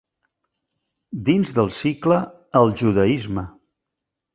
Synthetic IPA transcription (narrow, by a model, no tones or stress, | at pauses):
d̪inzðəlˠsiklə | əlˠʒuðəizmə